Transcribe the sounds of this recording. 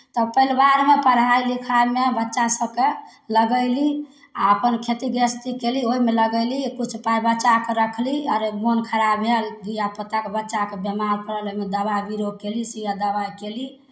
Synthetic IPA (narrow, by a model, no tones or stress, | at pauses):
t̪ɔpəilbaɾmepəɾɦajlikʰamebətːʃasəbkeləɡəɪli | aəpənkʰet̪iɡəst̪ikelioɦimeləɡəlikut͡ʃʰpajbətːt͡ʃakeɾəkʰliəɾemonkʰəɾabɦelɡijapət̪ːakebətːʃakebemaɾpəɾəloimed̪əβabiɾod̪̚kelisijad̪əbajkeli